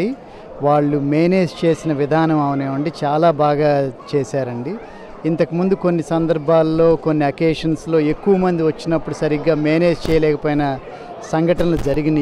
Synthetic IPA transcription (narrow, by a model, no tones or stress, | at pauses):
i | ʋaːɭːumeːne̞ːst͡ʃe̞ːsinɐʋid̪ʱaːnɐmɐʋɐneːʋɐɳɖit͡ʃaːlaːbʱaːɡaːt͡ʃe̞ːsaːɾɐɳɖiː | nt̪ɐkɐmund̪uko̞nːisɐnd̪ɐɾbʱaːlːo̞ːko̞nːiɐkeːʂɐnslo̞ːe̞kːuʋɐmɐnd̪iʋɐt͡ʃːinɐpːuɽusɐɾiɡːaːmeːne̞ːst͡ʃɛːjɐlɛːkɐpoːjnɐ | sɐŋɡʱɐʈɐnɐlud͡ʒɐɾiɡinɐ